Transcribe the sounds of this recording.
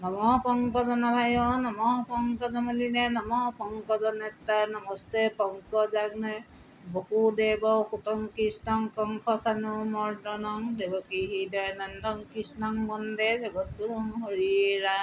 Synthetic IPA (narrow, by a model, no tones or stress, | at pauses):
nɔmɔpɔŋkɔzɔnabʰʱajɔnɔmɔpɔŋkɔzɔmɔlinɛnɔmɔpɔŋkɔzɔnɛt̪anɔmɔstepɔŋkɔzaknɛ | bokudebɔxutɔŋkisnɔŋkɔŋkʰɔsanumɔɹdɔnɔŋdebɔkiɦidɔjnandɔŋkisnɔŋmɔndezɔɡɔt̚kuɾuŋɦoɹiɾa